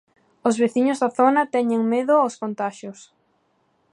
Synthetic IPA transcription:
ozβeθiɲʊzðaθonɐt̪ɛɲeŋmeðʊoskont̪aʃos

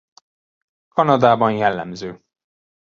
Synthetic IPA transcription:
kɒnɒd̪aːbɒnjɛlːɛ̰mzøː

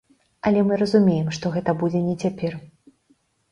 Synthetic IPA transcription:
ɐlʲɛmɨɾɐzumʲejɛmʂt̪ɔɣɛt̪ɐbud͡zʲɛnʲɛt͡sʲapʲɛr

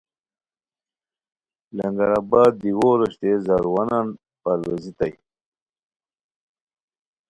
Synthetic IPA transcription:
laŋɡaɾabaːd̪̚ːiwoɾoɕt̪ezaɾwanan | paɾwezit̪aj

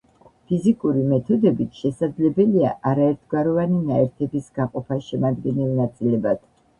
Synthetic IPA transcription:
pʰizikʼuɾimɛt̪ʰɔd̪ɛbit̪ʰʃɛsad̪zlɛbɛlia̰ʔaɾaɛɾt̪ʰɡwaɾɔvaninaɛɾt̪ʰɛbisɡaqʼɔpʰaʃɛmad̪ɡɛnɛlˠnat̪sʼilɛbad̪̥

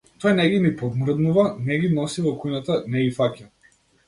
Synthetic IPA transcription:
t̪ɔjnɛɡimipɔd̪mr̩d̪nuvanɛɡinɔsivɔkujnat̪anɛifapja

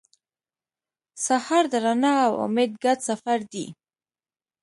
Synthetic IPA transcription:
sahɑɾd̪əɾanɑawʊ̰med̪̚ɡad̪safaɾd̪ḭ

